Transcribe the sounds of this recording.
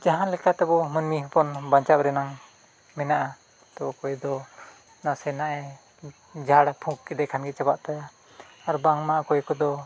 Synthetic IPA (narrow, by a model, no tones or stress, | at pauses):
d͡ʒaɦanlɛkat̪ɛbɔmənmiɦɔpɔnbaɲt͡ʃap̚ɾɛnaŋ | mɛnaʔa | t̪ɔbɔkɔjd̪ɔ | nasɛnaʔɛ | d͡ʒaɽapʰukkɛd̪ɛkʰanɡɛt͡ʃabaʔt̪aja | aɾbaŋmaʔakɔjkɔd̪ɔ